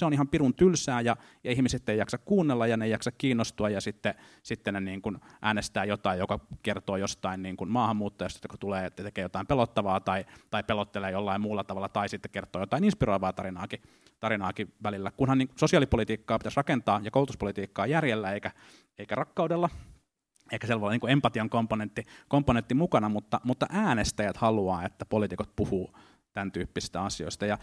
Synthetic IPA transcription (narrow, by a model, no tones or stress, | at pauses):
seonihɑmpirunt̪ylsæːjɑ | jɑihmiset̪ːeijɑksɑkkuːnːelːɑjɑnejɑksɑkkiːnːost̪uɑjɑsit̪ːesit̪ːeneniːŋkunʔæːnest̪æːjot̪ɑijjokɑkert̪oːjost̪ɑinniːŋkunmɑːhɑmːuːt̪ːojɑst̪ɑt̪ːjoko̥t̪uleːt̪ːt̪ekeːjot̪ɑimpelot̪ːɑʋɑːt̪ɑit̪ɑipelot̪ːeleːjolːɑimmuːlːɑt̪ɑʋɑlːɑt̪ɑisit̪ːe̥kert̪oːjot̪ɑininspiroiʋɑːt̪ɑɾinɑːki | t̪ɑɾinɑːkiʋælilːækunhɑniːŋkusosiɑːlipolit̪iːkːɑːpit̪æsrɑkent̪ɑːjɑkoˑulut̪uspolit̪iːkːɑːjærjelːæeikæ | eikærɑkːɑuwdelːɑ | eikːæselːʋɑlːɑniːŋkuempɑt̪iɑŋkomponent̪ːikompːonent̪ːimukɑnɑmut̪ːɑmut̪ːɑʔæːnest̪æjæt̪hɑluɑːet̪ːæpolit̪ikot̪̚puhuː | t̪ænt̪yːpːisi̥st̪æɑsio̰ist̪ɑjɑ